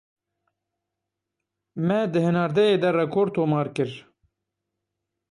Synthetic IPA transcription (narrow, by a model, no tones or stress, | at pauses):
mɛd̪ɨhɨnɑːɾd̪ɛjeːd̪ɛrɛkʰoɾt̪ʰoːmɑːɾkɨɾ